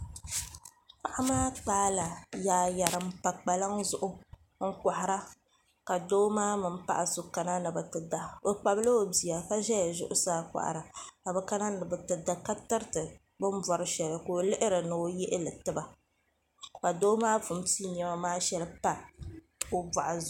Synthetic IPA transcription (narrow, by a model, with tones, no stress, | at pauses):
pa˦˨ʔa˦maː˦taː˨˦la˨jaː˨ja˨ɾɨ˨m̩˦pa˨k͡pa˨la˦ŋzʊ˦˨ʔʊ˦ | ŋ̩˦ka˨ha˨ɾa˦ | ka˨doː˦maː˦mɨ˨m̩˦pa̰˨ʔa˨sʊ˨ka˨na˦nɨ˨bɨ˨tɨ˨da˨o˨k͡pa˨blɨ˦o˨bi˨a˨ka˦ʒɛ˦ja˨ʒʊ̰˦ʔʊ˦saː˦kʷa̰˨ʔa̰˨ɾa˨ka˨bɨ˨ka˦na˦nɨ˨bɨ˨tɨ˨da˨ka˦tɨ˦ɾtɨ˨ | bɨ˦m˦bɔ˨ɾɨ˦ʃɛ˨lɨ˨ko˨lɪ˦ʔɪ˦ɾɨ˨nɨ˨o˦jɪ˦ʔɪ˦lɨ˨tɨ˦ba˨ | ka˨doː˦maː˦vʊ˨m˦ti˦ɲ˨ɛ˦ma˦maː˦ʃɛ˦lɨ˦pa˦˨ | o˦ba˨ʔa˨z